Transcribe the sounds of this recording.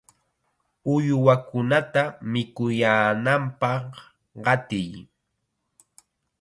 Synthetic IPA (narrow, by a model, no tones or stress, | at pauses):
ʊjwakʊnat̪amɪkʊjaːnampɑχ | ɢɑt̪ɪj